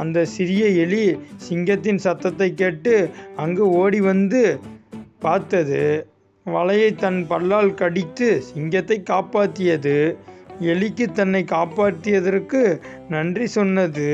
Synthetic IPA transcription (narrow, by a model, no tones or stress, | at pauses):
ɐnd̪ɐsɪɾɪjɐɛɭisɪŋɡɐt̪ːɪnsɐt̪ːɐt̪ːɐɪkːeːʈːɯɐŋɡeoːɽiʋɐnd̪ɯ | paːɾt̪ɐðɯ | ʋɐɭɐjɐɪt̪ːɐnpɐɭːaːlkɐɽɪt̪ːɯsɪŋɡɐt̪ːɐɪkːaːpaːt̪ːɪjɐðɯ | ɛɭɪkːɯt̪ːɐnːɐɪkaːpaːt̪ːɯjɐðɐɾkɯ | nɐndrisɔnːɐðɯ